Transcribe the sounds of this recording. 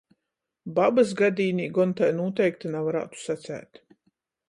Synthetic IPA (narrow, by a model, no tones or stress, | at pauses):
babas̬ɡad̪ʲiːniːɡɔnt̪ajnuɔt̪ɛjkt̪anavaɾa̰ːt̪u̥sat̪sæ̰ːt̪